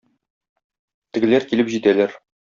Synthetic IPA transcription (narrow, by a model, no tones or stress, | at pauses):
t̪ɘ̆ɡɘ̆læɾkilɘpʑit̪ælæɾ